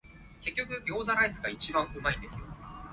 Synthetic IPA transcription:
ke̞kʲːokɯ̟ɡʲo̞ːzaɾaisɨɡait͡ɕibãɰ̃ɯ̟maĩnd̪e̞sɨjo̞̰

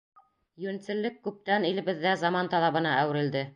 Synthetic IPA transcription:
jɵɘnt̪sɘ̆lːɘkːʉp̚t̪ænilɘ̆βɘ̆ðːæzɑmɑnt̪ɑlˠɑβɤ̆nɑʔæwɘ̆ɾɘ̆ld̪ɘ

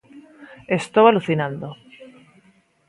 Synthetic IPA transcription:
est̪owaluθinãnd̪o

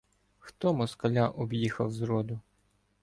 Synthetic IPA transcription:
xt̪ɔmɔskɐlʲɑʔɔbjixɐwzɾɔd̪ʊ

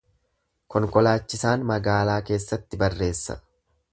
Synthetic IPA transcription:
kɔŋkɔlaːt͡ʃːɪsaːnmɐɡaːlaːke̞ːsːɐt̪ːɪbɐrːe̞ːsːɐ̰

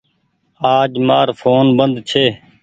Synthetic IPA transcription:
aːd͡ʒmaːɾfʰoːnbənd̪t͡ʃʰeː

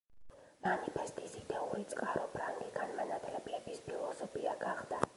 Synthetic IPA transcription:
manipʰɛst̪ʼisid̪ɛuɾit̪sʼqʼaɾɔpʰɾaŋɡiɡanmanat̪ʼlɛbiɛbispʰilˠɔsɔpʰiaɡaχd̪a

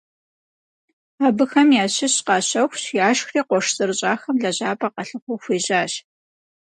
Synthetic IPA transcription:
aːbɨxɐmjaːɕɪɕqɑːɕɐwxʷɕjaːʃxriːqʷɔʂzɨrɨɕʼaːxɐmɮɐʑaːpʼaːqɐɬɨχʷʊxʷeːʑaːɕ

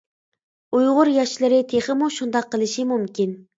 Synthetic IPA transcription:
ujʁʊɾjɑʃlˠɨɾɪt̪ʰeχəmuʃund̪ɑqːəlˠɨʃimumkʲin

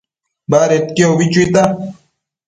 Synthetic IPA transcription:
baːɾet̪̚keobit͡ɕuit̪a

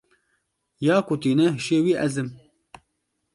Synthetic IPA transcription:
jaːkʊt̪iːnɛɦɪʃeːwiːʔɛzɨm

